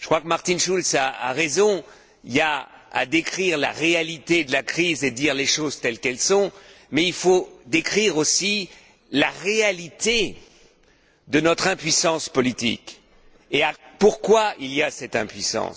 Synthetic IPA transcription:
ʒəkχwakmaʁt̪inʃulsaa̰ʁezɔ̃ | ilaa̰d̪ekχiʁla̰ʁealit̪ed̪əlakχized̪iʁleʃozt̪ɛlkɛlsɔ̃ | mɛilfod̪ekχiʁosi | laʁealit̪e | d̪ənɔt̪χɛ̃pɥisɑ̃spɔlit̪ḭk | eapuʁkwailijasɛt̪ɛ̃pɥisɑ̰̃s

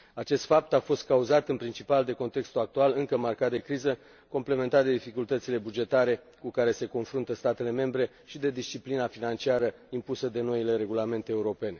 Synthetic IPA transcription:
at͡ʃe̞st̪fap̚t̪afo̞st̪̚kauzat̪ɨnpɾint͡ʃipald̪e̞ko̞nt̪e̞kst̪uak̚t̪ualɨŋkəmarkat̪̚d̪e̞kɾizə | ko̞mple̞ment̪at̪d̪e̞d̪ifikult̪ət̪sile̞bud͡ʒe̞t̪aɾe̞ | kukaɾe̞se̞ko̞nfɾunt̪əst̪at̪e̞le̞me̞mbɾe̞ | ʃid̪e̞d̪ist͡ʃiplinafinant͡ʃiaɾə | impusəd̪e̞no̞ile̞ɾe̞ɡulame̞nt̪e̞ːuɾo̞pe̞ne̞

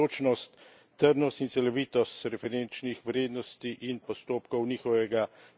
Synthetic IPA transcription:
oːt͡ʃnɔst̪ː | əɾnɔst̪int̪sɛlɔʋiːt̪ɔst̪ɾɛfɛɾent͡ʃnixʋɾeːd̪nɔst̪iʔinpɔst̪oːpkɔwniːxɔʋɛɡa

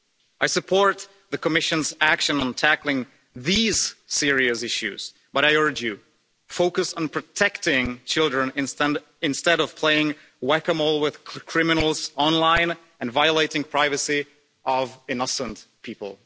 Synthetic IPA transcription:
ʔaɪsɨpʰɔɹt̪̚ | ðɨkəmɪʃɨ̃nzækʃɨ̃nə̃n̩tʰæklˠɪ̃ŋ | ðiz̥sɪɹiɨsɪʃʉ̰z̥ | b̥ʌɾaɪɜ˞d͡ʒjɨ | foʊkɨsn̩pʰɹ̥ɨtʰɛktɪ̃ŋt͡ʃʰɪlˠdɹɨ̃ñn | ɨ̃nstɛɾʌv̥pʰl̥eɪɪ̃ŋ | wɛkəmolˠwɪð̥kʰɹ̥ɪmɨnl̩ˠz̥ɑ̃nlãɪ̃n | ɨ̃nvaɪəleɪɾɪ̃ŋpʰɹ̥aɪvɨsi | ʔʌvɨnʌsə̃ntpʰipə̰l̩ˠ

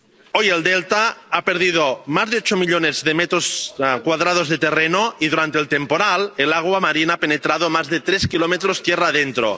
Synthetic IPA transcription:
ojeld̪elt̪aapeɾð̞iðomazðeot͡ʃomiʎonezðemet̪ɾoskwaðɾað̞ozðet̪erenoiðuɾant̪eːlt̪empoɾalelaɣ̞wamaɾinaapenet̪ɾaðomazðet̪ɾeskilomet̪ɾost̪jeraðent̪ɾo̰

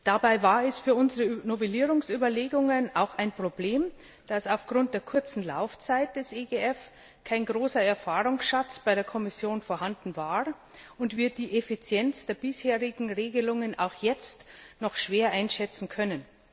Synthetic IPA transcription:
d̥abaɪvaːɐɛsfyːɐʊnzəʁənovɛliːʁʊŋsʔyːbɐleːɡʊŋənaʊxaɪnpʁ̥obleːm | d̥asaʊfɡ̥ʁʊnt̚d̥eːɐkʰʊɐt͡sn̩la̰ʊft͡saɪt̚d̥ɛsʔeɡeɛf | kʰaɪnɡʁoːsɐɛɐfaːʁʊŋsʃat͡sb̥aɪɾeːɐkʰɔmɪsjoːnfoɐhandn̩vaːʁ | ʊntv̥iːɐd̥iːʔefit͡sjɛnt͡sd̥eːɐbɪsheːʁɪɡŋ̩ʁeːɡəlʊŋənʔa̰ʊxjɛt͡stnɔxʃv̥eːɐʔaɪnʃɛt͡sn̩kʰœnən

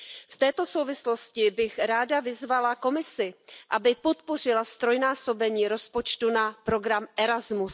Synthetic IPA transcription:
ft̪ɛːt̪o̞so̞wvɪslo̞scɪbɪxɾaːdavɪzvalako̞mɪsɪʔabɪpo̞t̪po̞rɪlast̪ɾo̞jnaːso̞bɛɲiːɾo̞spo̞t͡ʃt̪unapɾo̞ɡɾamʔɛɾazmus

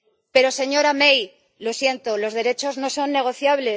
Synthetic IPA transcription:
pe̞ɾo̞se̞ɲo̞ɾamej | lo̞sje̞nt̪o̞lo̞zð̞e̞ɾe̞t͡ʃo̞zno̞so̞nːe̞ɣ̞o̞θjaβle

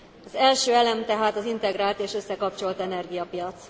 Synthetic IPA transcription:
ɒzɛlʃøːɛlɛmt̪ɛɦaːt̪ɒzint̪ɛɡɾaːlt̪eːʃø̞sːɛkɒp̚t͡ʃo̞lt̪ɛnɛrɡijɒpijɒt̪s

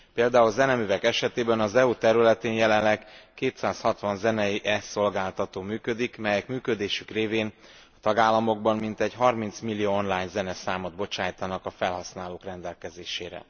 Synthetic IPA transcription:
peːld̪aːulzɛnɛmyːvɛkɛʃɛt̪eːbɛnɒzɛut̪ɛɾylɛt̪eːnjɛlɛnlɛkkːeːt̪saːshɒt̪ʋɒnzɛnɛiʔɛso̞lɡaːlt̪ɒt̪oːmyːkød̪ikmɛjɛkmyːkø̞d̪eːʃykreːveːn | ɒt̪ɒɡaːlːɒmo̞ɡ̚bɒmmint̪ɛɟɦɒrmint̪smilːijoːonlaːɲzɛnɛsaːmod̪̚bo̞t͡ʃaːjt̪ɒnɒkɒfɛlɦɒsnaːloːkrɛnd̪ɛlkɛzeːʃeːɾɛ̰

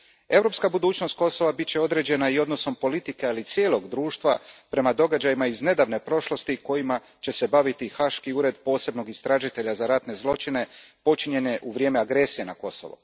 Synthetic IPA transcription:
e̞vɾo̞pskabud̪uːt͡ʃno̞st̪̚ko̞so̞ʋabit̪̚t͡ɕeo̞d̪ɾe̞d͡ʑe̞naio̞d̪noso̞mpo̞lit̪ike̞alit̪sje̞ːlˠo̞ɡd̪ɾuːʃt̪ʋapɾe̞mad̪o̞ɡad͡ʑajimaizne̞d̪aʋne̞pɾo̞ʃlˠo̞st̪iko̞jima | t͡ɕe̞se̞baʋit̪ixaʃkiuːɾe̞d̪po̞ːse̞bno̞ɡist̪ɾaːʒit̪e̞ʎazaɾat̪ne̞zlˠo̞t͡ʃine̞po̞t͡ʃiɲe̞ne̞ʔuʋɾʲjeːmeaɡɾe̞sije̞nako̞so̞̰ʋo̰

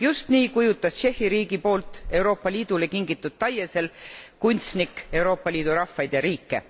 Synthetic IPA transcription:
just̪niːkujut̪ːˑɑst͡ʃe̞hːiɾiːɡ̥ipo̞ːlt̪ˑe̞wɾo̞ːpˑːɑlʲiːd̪̥ule̞kiŋɡit̪ːˑud̪̥̚t̪ːɑjːese̞lkunʲt̪snike̞wɾo̞ːpːˑɑlʲiːd̪̥uɾɑfːɑjd̪̥jɑɾiːkːe̞̰

